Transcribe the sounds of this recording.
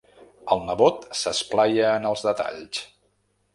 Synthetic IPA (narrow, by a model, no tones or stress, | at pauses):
əlˠnəβot̪səsplajəːnəlˠzðət̪a̰ʎs